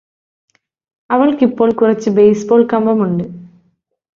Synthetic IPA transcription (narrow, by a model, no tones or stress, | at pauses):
ɐʋɐɭɯkːipːoːɭkʊrɐt͡ɕːɨbejsboːɭkɐmbɐmuɳɖɯ